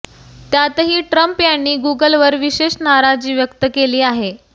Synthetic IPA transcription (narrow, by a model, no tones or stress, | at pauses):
t̪jat̪əɦiːʈɾəmpjaɳːiːɡuɡəlʋəɾʋiɕeɕnaɾad͡ʑiːʋjəkt̪əkeliːaɦe